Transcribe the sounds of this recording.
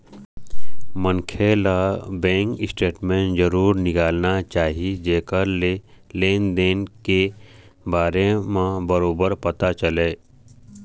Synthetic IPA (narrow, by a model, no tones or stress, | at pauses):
mənkʰelabɛ̃ːŋkɪsʈeːʈmẽɳʈd͡ʒəɾuːɾnɪkaːlnat͡ʃaːɦid͡ʒeːkəɾle | leːnd̪eːnke | baːɾemãbɐɾoːbəɾpɐt̪at͡ʃəleː